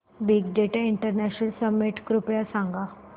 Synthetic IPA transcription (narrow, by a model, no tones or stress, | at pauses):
biɡɖeʈaiɳʈəɾnæɕnəlsəmːeʈkɾupjasãŋɡa